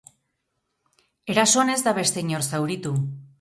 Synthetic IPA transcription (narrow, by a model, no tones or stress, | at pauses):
e̞ɾaso̞ne̞zd̪aβe̞st̪eɲo̞ɾsawɾit̪u